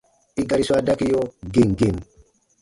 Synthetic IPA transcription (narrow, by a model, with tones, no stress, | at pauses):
i˦ɡa˨ɾi˦sa˦da˦ki˦jo˦ɡe˦˨ŋɡe˨n